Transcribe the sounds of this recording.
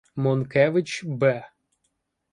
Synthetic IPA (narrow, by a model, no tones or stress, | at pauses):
mɔnkɛʋɪt͡ʃbɛ